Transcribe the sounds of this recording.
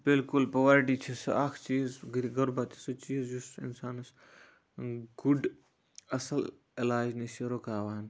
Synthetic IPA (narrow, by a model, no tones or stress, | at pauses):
bɪlkʊlpoʋaɾʈit͡ʃʰisɐ̰aːkʰt͡ʃiːzɡɐɾbat̪ʰi̥sɐt͡ʃiːzjusɪ̰nsaːnɐs | ɡʊɖ | ɐsəl | ɪlaːd͡ʒniʃeɾokaːʋaːn